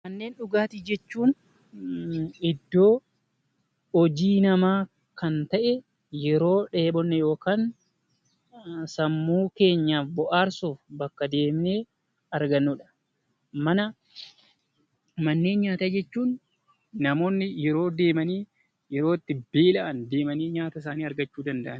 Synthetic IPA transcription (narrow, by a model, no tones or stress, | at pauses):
mɐnːe̞ːnᶑʊɡaːt̪iːd͡ʒɛt͡ʃːuːn | ɪd̪ːo̞ː | ɔd͡ʒiːnɐmaː | kɐnt̪ɐʔɛ | jɛɾo̞ːᶑe̞ːɓɔnːɛjo̞ːkaːn | sɐmːuːke̞ːɲːaːfbɔʔaːɾsuːfbɐkːɐd̪e̞ːmɪneː | ɐɾɡɐnːuːᶑɐ̥ | mɐnɐ | mɐnːe̞ːnɲaːt̪aːd͡ʒɛt͡ʃːuːnː | ɐmo̞ːnːɪjɛɾo̞ːd̪e̞ːmɐniː | jɛɾo̞ːt̪ːɪbeːlɐʔɐnd̪e̞ːmɐniːɲaːt̪ɐɪs̬aːniːɐɾɡɐt͡ʃːuːd̪ɐnd̪ɐʔɐn